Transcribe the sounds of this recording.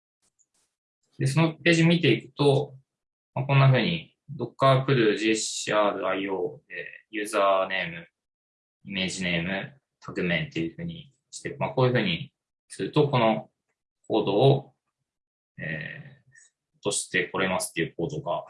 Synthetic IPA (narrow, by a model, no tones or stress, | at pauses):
d̪e̞s̬o̞nope̞ːʑimʲit̪e̞ikɯ̟̥t̪o̞ | makõ̞nːaɸɯ̟ːɲ̟i | d̪o̞kːapɯ̟ɾɯ̟ʑiɕiaːɾɯ̟aioːḛjɯ̟ːzaːne̞ːmɯ̟ | ime̞ːʑine̞ːmɯ̟ | t̪ʰakɯ̟mẽ̞nt̪e̞jɯ̟ɸɯ̟ːɲ̟i | ɕi̥t̪emako̞ːjɯ̟ɸɯ̟ːɲ̟i | sɨɾɯ̟t̪o̞ko̞no̞ | kʰo̞ːd̪o̞ː | ḛː | ot̪o̞ɕi̥t̪e̞ko̞ɾe̞masɨ̥t̪ːe̞jɯ̟k̚o̞ːd̪o̞ɡa